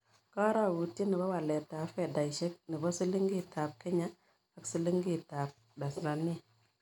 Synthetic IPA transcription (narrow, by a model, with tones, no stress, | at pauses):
ka˦ɾa˦˨wu˨ti˦ni˨ba˦wa˨le˨taː˨fe˨da˨i˨ʃe˦k̚ni˨bɔ˦su˦li˦ŋɡi˦˨ta˨p̚ki˦ɲa˦ | a˦ksi˦li˦ŋɡi˦˨ta˨p̚ | da˨sɾa˨ni˦